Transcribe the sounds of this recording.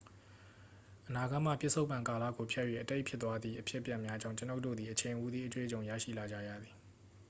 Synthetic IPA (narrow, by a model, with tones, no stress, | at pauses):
ʔəna˨ɡa˦˨m̥ä̰˦˨pjɪ˦˨sʰo˦ʊpːã˨ŋka˨la̰˦˨ɡo˨pʰja˦ʔjwḛ˦˨ʔəte˦ɪʔpʰjɪ˦t̪ːwa˦d̪ði˦˨ʔəpʰjɪ˦ʔpːjã˨mja˦d͡ʑã˦˨ʊ̃ɲt͡ɕə˦no˦ʔtːo̰˦˨d̪ði˨ʔət͡ɕʰẽ˨ɪ̃ʔu˦d̪ði˦ʔət̪wḛ˦˨ət͡ɕõ˨ʊ̃ja̰˦˨ʃḭ˦˨la˨d͡ʑa̰˦˨jä̰˦˨d̪ði˨